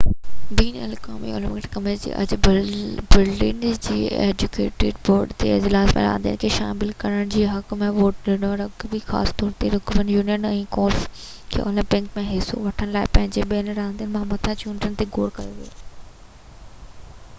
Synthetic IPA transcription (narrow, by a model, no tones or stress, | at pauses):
biːnɛlka̰ːmḭʊ̰lɪmɪkʈkɐmed͡ʑḛːʔɐ̰d͡ʑ | bɪɾɖɪ̰nd͡ʑiːḛːd͡ʑʊkḛːʈḛɖʋoːɾɖt̪ḛɪ̰d͡ʑlaːsmḛ̃ɾã̰ːə̃nd̪ijə̰nɪkʰeːʃaːmɪlkɐɾəɽ̃d͡ʑiːɦɐkmẽʋoːʈ̚ɗɪnoɾɐkbɪxa̰ːst̪ɔːɾt̪eɾʊkʋənjuːnijənɛ̃ːkoːlf | kʰḛːʔʊlɪmpɪ̃ŋkmẽɦɪso̰ʋɐʈʰəɽ̃laːɪpɐ̃ɦɪ̃ɲd͡ʑeɓiənɾãːənd̪ijənɪ̆mãmɐt̪ʰãt͡ɕuːnʈənɪt̪eɡoːɾkɐjoʋio